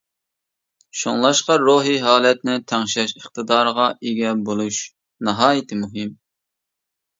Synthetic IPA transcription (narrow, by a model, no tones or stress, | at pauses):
ʃo̰ŋlˠɑʃqɑɾoːɦiɦɑːlɛt̪̚nɪt̪ʰæŋʃɛʃəχt̪ʰɨd̪ɑːɾəʁɑʔeɡʲɛbolˠuʃ | nɑɦɑːjɪt̪ʰɪmuɦɪm